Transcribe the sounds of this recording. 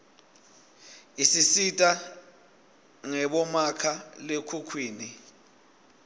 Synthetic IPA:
isisitʼa | ŋɛɓɔmakʰalekʰukʰwiːni

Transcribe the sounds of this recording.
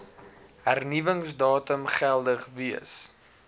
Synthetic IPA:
ɦærnivəŋsdɑːtəmχælˠdəχviəs

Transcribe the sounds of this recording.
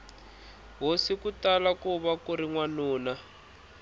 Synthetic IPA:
ɦosikutalakuβakuɾiŋwanuːna

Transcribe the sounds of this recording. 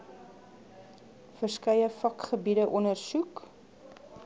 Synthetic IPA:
fərskɐjəfɐkχəbidəʔɔnərsuk

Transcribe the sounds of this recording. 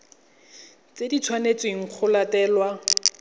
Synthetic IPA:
t͡sedit͡sʰwanet͡sweŋ̩q͡χʰʊlatɛːlwa

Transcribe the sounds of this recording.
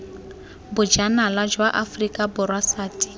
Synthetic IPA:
bʊd͡ʒanalad͡ʒwaʔafrikʼabʊrwasaːti̥

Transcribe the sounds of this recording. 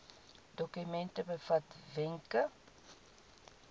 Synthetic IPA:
dɔkymɛntəbəfɐtvɛŋkə

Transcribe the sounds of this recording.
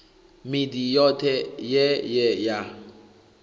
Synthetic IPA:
midijɔtʰɛjɛjɛja

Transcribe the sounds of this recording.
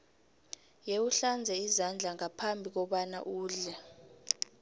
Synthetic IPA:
jeuɬand͡zʱɛizand͡ɮʱaŋapʰambʱik̬ɔɓana̰ʔuːɮɛ

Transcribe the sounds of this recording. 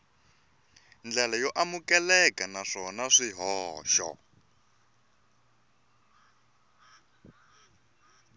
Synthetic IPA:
nd͡ɮɛlajɔʔamukɛlɛkanaʂɔnaʂiɦɔːʃɔ̰

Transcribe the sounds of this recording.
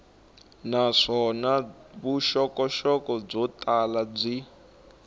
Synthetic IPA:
naʂɔnaβuʃɔkɔʃɔkɔb͡ʐɔtʼalab͡ʐi

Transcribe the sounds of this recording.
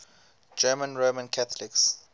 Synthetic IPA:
d͡ʒɛmə̃nɹomə̃nkʰaθʰɔlɪks

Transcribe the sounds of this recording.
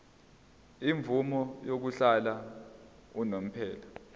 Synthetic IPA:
iɱvumɔjok̬uɬala | unom̩pʰɛːla

